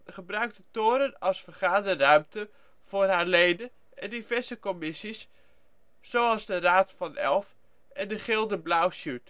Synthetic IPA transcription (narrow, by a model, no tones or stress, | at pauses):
χəbrœɥk̚dətoːɾənɑlˠsfəɹχaːdərœɥmtə | v̥ʊːrɦaːɹlejdə | ɛndivɛɹzəkɔmɪsisː | owɑlˠzdəraːtfɑnɛ̰lˠf | ɛndəχɪlˠdəblawsyt